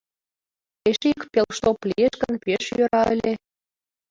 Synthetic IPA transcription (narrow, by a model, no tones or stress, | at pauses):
eʃikpelʃt̪oplʲieʃɣənpeʃjøɾɑə̰lʲe